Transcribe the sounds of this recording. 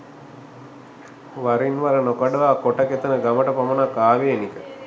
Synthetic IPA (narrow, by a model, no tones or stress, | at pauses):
ʋaɾinʋaɾənokaɖəʋaːkoʈɐket̪ənəɡaməʈəpamənakːaːʋeenikə